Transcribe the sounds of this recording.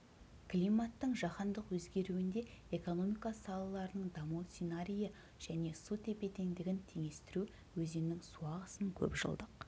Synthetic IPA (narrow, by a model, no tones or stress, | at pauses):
kʰlʲijmat̪ːəɴʒɑqɑnd̪əqwɵzɡʲe̞ɾuɪnd̪e̞eko̞no̞mijkɑsɑlˠɑlˠɑɾənəɴd̪ɑmut̪sinaɾʲijə | ʒ̥æne̞sut̪ʰe̞pe̞t̪e̞nd̪ɪɡʲɪnt̪ʰe̞ŋe̞st̪ɪɾu | wɵzemnɪŋsuɑʁəsəŋkʲʰɵ̰pʒə̰lˠd̪əq